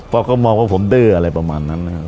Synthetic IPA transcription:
pʰɔː˧kɔː˥˩mɔː˧ŋwaː˥˩pʰo˩˦mdɤː˥˩ʔa˧ɾa˧jpɾa˧maː˧nːa˦˥nːa˦˧˩

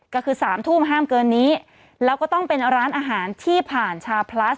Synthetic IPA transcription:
kɔː˥˩kʰɯː˧saː˩˦mt̪ʰuː˥˩mɦaː˥˩mkɤː˧nːiː˦˥ | lɛː˦˥wkɔː˥˩t̪ɔ˥˩ŋpe˧nɾaː˦˥nʔaː˧ɦaː˩˦nt̪ʰiː˥˩pʰaː˨˩nt͡ɕʰaː˧wpʰla˦˥s

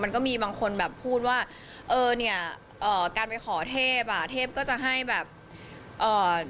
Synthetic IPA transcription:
ma˧nkɔː˥˩miː˧baː˧ŋkʰo˧nbɛː˨˩pʰːuː˥˩t̪̚waː˥˩ | ʔɤː˧ni˥˩ɐ | ʔɤː˨˩kaː˧npa˧jxʰɔː˩˦t̪ʰeː˥˩p̚a˨˩t̪ʰeː˥˩p̚kɔː˥˩t͡ɕa˨˩ɦa˥˩jbɛː˨˩p̚ | ʔɤː˨˩

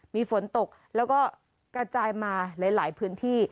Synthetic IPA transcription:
miː˧fo˩˦nt̪o˨˩k̚lɛː˦˥wkɔː˥˩ | kɾa˧t͡ɕaː˧jmaː˧la˨˦jlaː˩˦jpʰɯː˦˥nt̪ʰiː˥˩

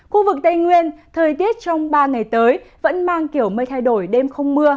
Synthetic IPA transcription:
xu˧vɨ˨˩k̚t̪ə˧jŋwi˧ənt̪ʰəː˨˩jt̪i˦˥ət̚t͡ɕɔ˧wŋ͡mɓaː˧ŋa˨˩jt̪əː˨˦jvə̰˧˥nmaː˧ŋki˧˩əwmə˧jt̪ʰa˧jɗo˧˩jɗe˧mxə˧wŋ͡mmɨ˧ə

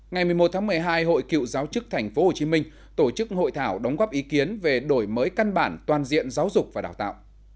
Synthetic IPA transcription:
ŋa˨˩jmɨ˨˩jmo˨˩t̚t̪ʰːŋmɨ˨˩əjɦaː˧jɦo̰˧˨jkḭ˧˨wzaː˨˦wt͡ɕɨ˦˥k̚t̪ʰɛ˨˩jŋ̟fo˨˦ho˨˩t͡ɕi˨˦mï˧ŋ̟ | t̪o˧˩t͡ɕɨ˦˥k̚ho̰˧˨jt̪ʰaː˧˩wɗɔ˨˦wŋ͡mɣɔː˦˥p̚ʔi˨˦ki˨˦ənve˨˩ɗo˧˩jməː˨˦jka˧nɓaː˧˩nt̪waː˨˩nzḭ˧˨ənzaː˨˦wzʊ˨˩k͡p̚vaː˨˩ɗaː˧˩wt̪a̰ː˧˨wʔ

